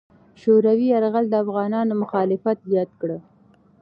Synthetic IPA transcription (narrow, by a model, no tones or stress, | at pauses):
ʃoɾawiaɾɣald̪əafɣɑnɑnomʊxɑlɪfat̪zjɑd̪kɽə